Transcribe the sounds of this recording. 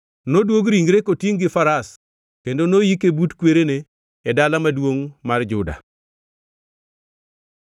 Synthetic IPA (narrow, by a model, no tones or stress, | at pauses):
nodwoɡɾiŋɡɾekotiŋɡɪfaɾas | kendonojikebutkweɾene | ɛdalamadwoŋmard͡ʒʊda̰